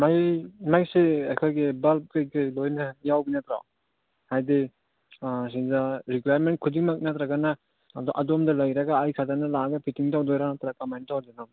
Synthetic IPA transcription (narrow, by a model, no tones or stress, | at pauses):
majmajseajkʰojɡebalp̚kɯjkɯjlojnɐjawbinat̪ɾa̰w | hajdi | s̬inzaɾikuwajaɾment̚kʰudiŋmak̚nat̪ɾaɡanaː | dɔʔadɔmdɐlajɾaɡaːjkʰatanalaɡapʰitiŋtawdɔjɾanat̪ɾakamajntawdinaw